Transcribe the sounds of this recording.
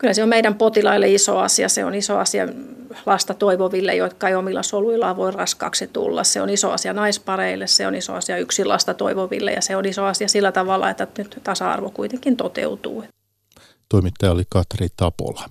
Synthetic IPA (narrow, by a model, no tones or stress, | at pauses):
kylhæseommeiɾæmpot̪ilɑilːeiso̰ɑ̰siɑseo̰niso̰ɑ̰siɑ̰lɑst̪ɑt̪oiʋoʋilːḛjot̪kɑiomilːɑ̰soluilːˑɑʋoirrɑskɑ̰ːksit̪ṵlːɑ̰sseo̰niso̰ɑ̰siɑnɑispɑreilːesseo̰niso̰ɑsiɑyksilɑ̰st̪ɑt̪o̰iʋoʋḭlːḛjɑ̰seonisoɑsiɑsilːæt̪ɑʋɑlːˑɑ̰et̪ːænyt̪t̪ɑsɑɑ̰rʋokuit̪eŋkint̪ot̪ḛut̪ṵː | t̪oimit̪ːɑjɑolikɑt̪rit̪ɑpo̰lɑ